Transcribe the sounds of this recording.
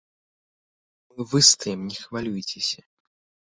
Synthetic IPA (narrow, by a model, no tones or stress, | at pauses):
mɨvɨst̪ɐjɛmnʲɛxvalʲujt͡sʲɪsʲɐ